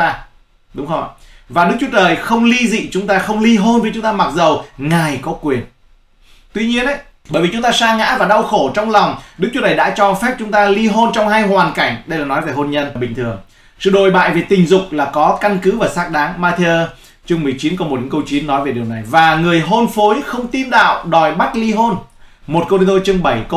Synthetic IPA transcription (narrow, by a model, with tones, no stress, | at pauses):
ɗʊ˨˦ŋ͡mxə˧vaː˨˩ɗɨ˦˥k̚t͡ɕwu˨˦t͡ɕəː˨˩jxə˧wŋ͡mli˧zḭ˧˨t͡ɕʊ˨˦ŋ͡mt̪aː˧xə˧wŋ͡mli˧ɦo˧nvi˨˧˦t͡ɕʊ˨˦ŋ͡mt̪aː˧ma˨˩t̚zə˨˩wŋa˨˩jkɔ˨˦kwi˨˩ən | t̪wi˧ɲi˧ənʔə˨˦j | ɓəː˧˩jvi˨˩t͡ɕʊ˨˦ŋ͡mt̪aː˧saː˧ŋa̰ː˧˥vaː˨˩ɗa˧wxo˧˩t͡ɕɔ˧wŋ͡mlɔ˨˩wŋ͡mɗɨ˦˥k̚t͡ɕu˨˦t͡ɕəː˨˩jɗa̰ː˧˥t͡ɕɔ˧fɛ˦˥p̚t͡ɕʊ˨˦ŋ͡mt̪aː˧li˧ɦo˧nt͡ɕɔ˧wŋ͡mɦaː˧jɦwaː˨˩nka˧˩jŋ̟ɗə˧jlaː˨˩nɔ˨˦jve˨˩ɦo˧nɲə˧nɓï˨˩ŋ̟t̪ʰɨ˨˩əŋ | sɨ̰˧˨ɗo˨˩jɓa̰ː˧˨jve˨˩t̪ï˨˩ŋ̟zʊ˨˩k͡p̚laː˨˩kɔ˨˦ka˧nkɨ˨˦vaː˨˩saː˦˥k̚ɗaː˨˦ŋmaː˧t̪ʰe˧əː˧ | t͡ɕɨ˧ŋŋ͡mmɨ˨˩əjt͡ɕi˨˦nkɔ˨˧˦mo˨˩ɲɨ̰˧˦kə˧wt͡ɕi˨˦ənːɔ˨˦jve˨˩ɗi˨˩əwna˨˩jvaː˨˩ŋɨ˨˩əjɦo˧nfo˨˦jxə˧wŋ͡mt̪i˧nɗa̰ː˧˨wɗɔ˨˩jɓa˦˥t̚li˧ɦo˧nmo˨˩t̚kə˧i˧t̪o˧t͡ɕɨ˧əŋɓə˧˩jk